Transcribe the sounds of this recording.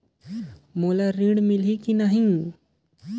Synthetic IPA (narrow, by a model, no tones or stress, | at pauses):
moːlaɾĩɖmɪlikinaɦĩ